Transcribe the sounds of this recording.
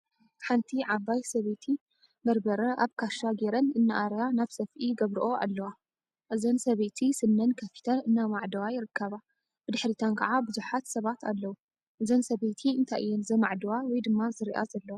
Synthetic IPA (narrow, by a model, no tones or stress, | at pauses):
ħant̪ʰiʕaβajsɐβet̪ʰi | bɐɾbɐɾɐʔaβkʰaʃaɡeɾɐnɨnːaʔaɾjanaβsɐfʔiɡɐβɾiʔo̞a̰lːɐwa | ʔɨzɐnsɐβet̪ʰisɨnːɐnkʰɐfi̥t̪ʰɐlɨnːamaʕd̪ɐwajɪɾɨkːaβa | b̥ɨd̪ɨħɾit̪ʰankʰɐ̰ʕabɨzuħat̪sɐβat̪alːɐwu | ʔɨzɐnsɐβet̪ʰiɨnt̪ʰaʔɨjːɛnzɐmaʕd̪ɐwawɔjd̪ɨmːazɨɾiʔa̰zɐlːɐwa